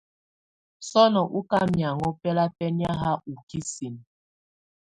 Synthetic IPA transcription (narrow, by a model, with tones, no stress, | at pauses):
sɔ˦nɔ˨ʔu˦ka˦mja˨ŋɔ˦pɛ˦la˦pɛ˦nja˦ɦa˦ʔu˨ki˦si˨n